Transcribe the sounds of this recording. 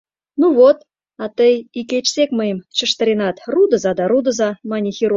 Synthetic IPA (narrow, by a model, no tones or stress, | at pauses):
nuvot̪ | ɑt̪əjikʲet͡ɕsʲekməjəmt͡ɕə̆ʃt̪əɾʲinɑt̪rud̪ə̆zɑd̪ɑɾud̪ə̆zɑmɑnʲixʲiɾu